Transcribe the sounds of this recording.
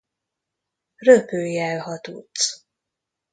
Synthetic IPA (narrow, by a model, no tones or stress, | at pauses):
røpøːjɛlhɒt̪ut̪s